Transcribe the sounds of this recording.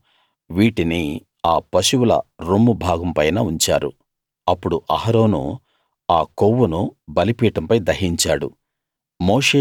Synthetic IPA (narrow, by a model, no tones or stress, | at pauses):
ʋiːʈini | aːpɐʃuwulɐ̰ɾoːmːubʱaːɡɐmpɐjnɐːuɲt͡ʃaːɾṵ | ɐpːuɽuʔɐɦɐɾo̞ːnṵ | aːkowːunubɐlipiːʈɐmpɐjd̪ɐɦiɲt͡ʃaːɽṵ | moːʂeː